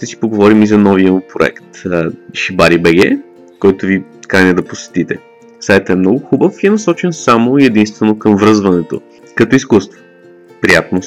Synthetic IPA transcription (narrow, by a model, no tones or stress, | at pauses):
t̪ɛsi̥poɡovɔɾimizɐnɔvijəmupɾoɛ̰kt̪əʃibaɾibɛɡɛ̰ | kɔjt̪ʊvikɾanɛd̪ɐposɛ̥t̪it̪ɛ | sajt̪ɛmnɔɡʊxubəfiɛnɐsɔt͡ʃɛnsamoiɛd̪inst̪vɛnokəmvɾɤzvɐnɛt̪o̰ | kɐt̪ɔiskust̪vo̥ | pɾijat̪̚no